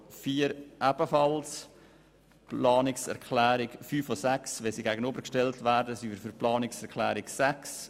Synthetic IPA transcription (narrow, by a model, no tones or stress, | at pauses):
fiːəɾʔæb̥əfɑls | plɑːnɪksɛ̰ɾkʰlæːɾɪkfyːfosæksʋɛsiɡæːɡənøbəɾkʃtɛltvæːɾdəsivəɾfyɾplɑːnɪksɛɾkʰlæːɾɪksæks